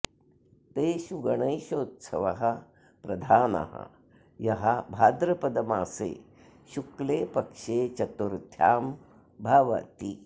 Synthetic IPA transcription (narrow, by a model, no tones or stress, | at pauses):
t̪eːʃuɡɐɳɐjʃoːt̪sʰɐ̰ʋɐɦɐ | pɾɐd̪ʱaːnɐ̰ɦɐ̰ | jɐɦɐbʱaːd̪ɾɐpɐd̪ɐmaːsḛː | ʃukleːpɐkʂeːt͡ʃɐt̪uɾd̪ʱjaːm | bʱaːʋɐ̰t̪i